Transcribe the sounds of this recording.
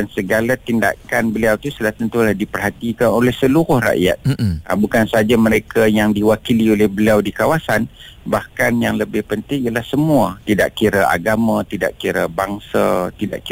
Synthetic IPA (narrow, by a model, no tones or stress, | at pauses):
ansəɡalat̪inda̰kanbəliawt̪usəlaht̪ənt̪ulahdipərɦat̪ikanolɛhsəluɾʊhra̰ʔja̰t̪̚ə̰bukansəaad͡ʒamə̃ɾekajaŋdiwakiliolɛhbəliawdikawasan | bahkanjaŋləbɪhpənt̪ɪŋijalahsəmuat̪ida̰ʔkiɾaʔa̰ɡamãt̪ida̰ʔkiɾabaŋsa̰t̪ida̰ʔki